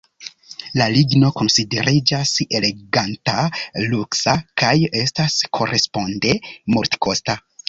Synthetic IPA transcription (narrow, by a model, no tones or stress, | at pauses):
laliɡno̞ko̞nside̞ɾid͡ʒase̞le̞ɡantaluksakaje̞staskʰo̞ɾe̞spo̞nde̞moɾtko̞sta